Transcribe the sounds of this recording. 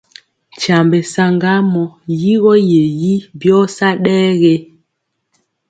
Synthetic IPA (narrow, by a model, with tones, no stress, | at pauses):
t͡ʃa˨mbe˨sa˨ŋɡa˦mɔ˨ji˦ɣɔ˦je˨ji˦bjɔ˦sa˦ɗɛː˦ɣe˦